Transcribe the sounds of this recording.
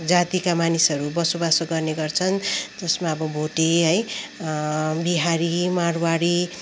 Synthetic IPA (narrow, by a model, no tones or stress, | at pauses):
d͡zat̪ikamanisʌɾubʌsobasoɡʌrneɡʌrt͡sʰʌnd͡zʌsmaʌbʌbʱoʈeɦʌj | biɦaɾimaɽwaɽi